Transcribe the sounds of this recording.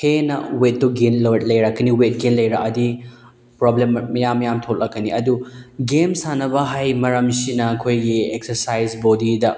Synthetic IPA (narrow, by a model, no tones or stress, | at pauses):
henɐ̰wet̚ːuɡenlɐt̚lɐjɾakːɐniwet̚ɡenlɐjɾakɐdi | pɾoblemːɐjamːɐjamtʰot̚lɐkkːɐniɐduɡemsanɐbɐɦajmɐɾɐmsinɐɐkʰojɡiek̚sɐɾsajzbodidɐ